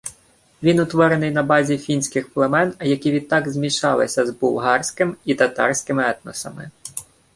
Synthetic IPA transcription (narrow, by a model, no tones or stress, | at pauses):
ʋʲinʊt̪ʋɔɾenɪjnɐbɑzʲifʲinʲsʲkɪxplˠemɛnɐjɐkʲiʋʲid̪̚t̪ːɑɡzmʲiʃɑlˠɪsʲɐzbuwˠɦɑrsʲkɪmit̪ɐt̪ɑ̰rsʲkɪmɪɛt̪nɔ̰sɐ̰mɪ̰